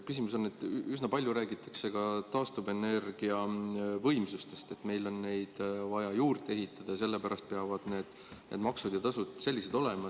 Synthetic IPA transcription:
kysimuso̞nːet̪ːˑysnɑpɑlʲjuɾæːɡit̪ːˑɑ̥kse̞ɡ̥ɑt̪ɑːst̪uve̞ne̞rɡ̥iɑvɤjmsust̪e̞st̪e̞t̪me̞jlo̞nːe̞jd̪̥vɑjɑjuːrd̪e̞ɦit̪ˑːɑd̪̥ɑjɑs̬e̞lːe̞pæɾʔɑst̪̚pe̞ɑvɑd̪̥ne̞ːd̪̥ | nʔḛd̪mɑksud̪̥jɑt̪ɑsud̪̥se̞lʲːise̞d̪̥o̞le̞mɑ

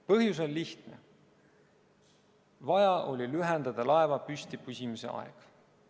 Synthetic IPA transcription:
pɤɦjus̬o̞lʲliht̪ne̞ | vɑjɑʔo̞lʲilyɦend̪̥ɑd̪̥ɑlɑe̞vɑpysʲt̪ipysʲimise̞̰ɑ̰ḛɡ̥

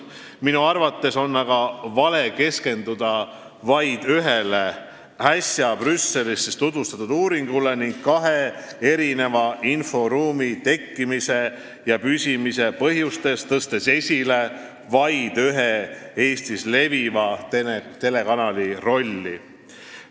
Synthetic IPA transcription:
minuɑrvɑt̪ːe̞so̞nːɑɡɑvɑle̞ke̞ske̞nd̪̥ud̪̥ɑ | vɑjd̪̥yɦele | hæsʲjɑbrysːe̞lisːest̪ut̪vust̪ɑt̪ːˑud̪uːɾiŋɡ̥ule̞niŋɡ̥̚kɑɦe̞e̞ɾine̞vɑʔinfo̞ɾuːmit̪e̞kːimise̞ | jɑpysʲimise̞pɤ̞ɦjust̪e̞st̪ɤst̪e̞se̞sʲile̞ | vɑjd̪̥yɦee̞ːst̪isle̞vivɑt̪enet̪e̞le̞kɑnɑliro̞lʲːi

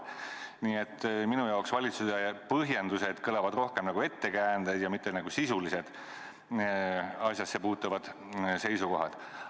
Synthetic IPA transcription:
niːe̞t̪ːminujɑoksvɑlʲit̪susepɤɦjend̪use̞d̪̥kɤlɑvɑd̪ro̞hkemnɑɡue̞t̪ːe̞kæːnd̪̥ejd̪jɑmit̪ːˑenɑɡ̥usisulise̞d̪̥ | ɑsjɑsːe̞puːt̪ːˑuvɑd̪̥ | se̞jsuko̞ɦɑd̪̥

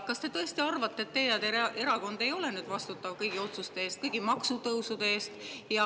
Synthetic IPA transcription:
kɑst̪e̞t̪ɤe̞st̪iɑrvɑt̪ːet̪ːe̞jɑd̪eʔe̞ɾɑko̞nd̪e̞jo̞lenyːd̪̥vɑst̪ut̪ːˑɑvkɤjɡ̥io̞t̪sust̪eeːst̪̚kɤjɡ̥imɑksut̪ɤwsud̪̥eeːst̪jɑ

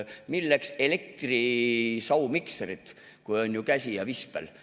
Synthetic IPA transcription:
milːekse̞le̞k̚t̪risɑwmikseɾit̪ˑ | kujo̞nʲjukæsʲijɑvispḛl

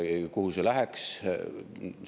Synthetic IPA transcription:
kuhuselæɦeks

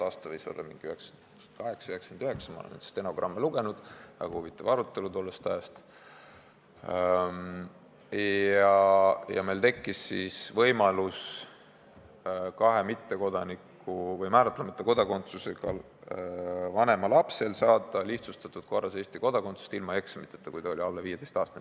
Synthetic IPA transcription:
ɑːst̪ɑviːsolḛmḭŋɡ̥iyheksn | kɑɦe̞ksɑyheksɑnd̪yɦe̞ksɑmɑ̰o̰ḛmḛnst̪eno̞ɡrɑmːeluɡ̥e̞nud̪̥ɑ̰ɡ̥ɑhuvit̪ːˑɑvɑɾut̪ˑːe̞lut̪ulːest̪æest̪ | m | jɑjɑ̰me̞jlt̪e̞kːisːisvɤjmɑlus | kɑɦe̞mit̪ːe̞ko̞d̪̥ɑnikː | uvɤjmæːɾɑt̪ːˑlemɑt̪ːˑɑko̞d̪̥ɑko̞nt̪suseɡɑl | vɑne̞mɑlɑpse̞lsɑːd̪̥ˑɑliht̪sust̪ɑt̪ːˑud̪̥̚ko̞rːɑse̞ːsʲt̪iko̞d̪̥ɑko̞nt̪su̥st̪ilmɑe̞ksmit̪ːˑet̪ːɑkujd̪ɑo̞lʲiɑlːeviːjed̪ejst̪ɑːst̪ɑ

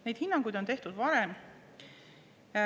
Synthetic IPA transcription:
ne̞jd̥̪hinːɑŋɡ̥ujd̪o̞ne̞ht̪ud̪̥vɑɾem

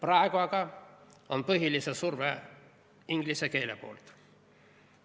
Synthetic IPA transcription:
prɑeɡ̥uɑɡ̥ɑonpɤɦilisesurve | iŋɡ̥liseke̞ːle̞po̰ːlt̪

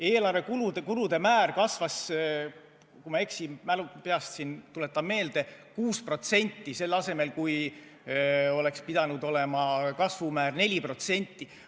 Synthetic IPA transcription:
e̞ːlɑrve̞kulud̪ekuɾud̪̥e̞mæːrkɑsvɑs | kumɑe̞ksimælupeɑst̪sint̪ule̞t̪ːˑɑmmːe̞ːld̪̥e̞kuːspro̞t̪se̞nʲt̪ːise̞lːɑse̞me̞lkuj | o̞le̞kspid̪̥ɑnud̪o̞le̞mɑkɑsvumæːrne̞lʲipro̞t̪se̞nʲt̪ːˑi

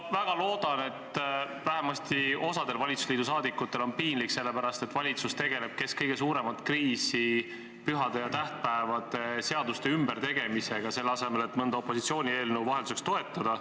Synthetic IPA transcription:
væɡ̥ɑlo̞ːd̪̥ɑne̞t̪ː | væɦemɑst̪io̞sɑd̪̥e̞lvɑlʲit̪su̥sliːd̪us̬ɑːd̪ikːˑut̪ːˑe̞lo̞npiːnlikse̞lːe̞pæɾɑst̪e̞t̪vɑlʲit̪sust̪e̞ɡe̞le̞b̥̚ke̞skɤjɡ̥e̞suːɾe̞mɑt̪kriːsi | pyɦɑd̪̥e̞jɑt̪æht̪̚pæevɑd̪̥e̞se̞ɑd̪ust̪e̞ymbeɾt̪e̞ɡe̞mise̞ɡ̥ɑse̞lːɑse̞me̞le̞t̪mɤnd̪ɑopːˑo̞sit̪sio̞ːnʲie̞ːlnewvɑɦeld̪use̞kst̪o̞e̞t̪ːˑɑd̪̥ɑ

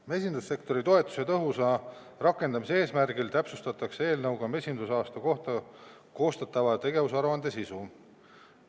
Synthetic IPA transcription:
me̞sʲind̪̥usːe̞kt̪o̞ɾit̪o̞e̞t̪ːˑu̥set̪ɤɦusɑ | rɑkːˑe̞nd̪ɑmisee̞ːsmærɡ̥ilt̪æpsust̪ɑt̪ːˑɑksee̞ːlnɤwɡ̥ɑme̞sʲind̪usɑːst̪ɑko̞ht̪ɑ | ko̞ːst̪ɑt̪ːˑɑvɑt̪e̞ɡe̞vusɑɾuɑnd̪e̞sisu

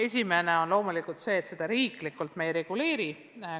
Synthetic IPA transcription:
e̞s̬ʲime̞ne̞o̞nlo̞ːmulikˑult̪se̞ːt̪se̞d̪̥ɑɾiːklikːult̪mejɾe̞ɡ̥ule̞ːɾi

